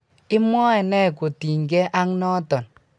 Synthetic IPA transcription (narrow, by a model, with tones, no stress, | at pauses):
i˦mɔ˦ɛ˨nɛ˦˨ko˨ti˨ŋ̩˨ɡe˦ʔa˦ŋ˦nɔ˦tɔ˨n